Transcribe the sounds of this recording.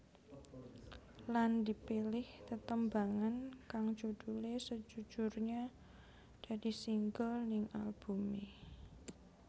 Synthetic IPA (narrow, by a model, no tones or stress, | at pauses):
landipilɪht̪ət̪əmbaŋankaŋd͡ʒud̥ulesəd͡ʒ̥u̥d͡ʒʊrɲa | d̥aɾisiŋɡəlnɪŋa̰lb̥umi